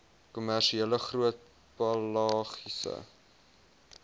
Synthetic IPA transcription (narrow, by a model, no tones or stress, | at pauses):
kumærʃieləχruət̚ | pɐlɑːχisə̰